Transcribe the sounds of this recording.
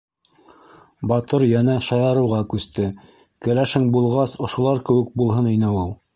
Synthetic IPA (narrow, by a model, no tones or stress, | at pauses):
bɑt̪ɤɾjænæʃɑjɑɾɤ̆wʁɑkʉst̪ɘ | kɘ̆læʃɘŋbulˠʁɑsŏʃŏlˠɑɾkɘ̆wɘ̆k̚bulˠɦɤninɘulˠ